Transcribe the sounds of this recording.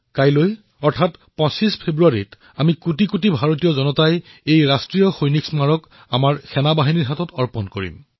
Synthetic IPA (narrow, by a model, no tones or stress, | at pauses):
kajloj | ɔɹtʰatpɔ̃sispʰebɹuaɹit | amikutikutibʱaɹot̬ijɔzɔnɔtajejɹastɹijɔxojniksmaɹɔk | amaɹxɛnabaɦiniɹɦatɔtɔɹpɔnkoɹḭm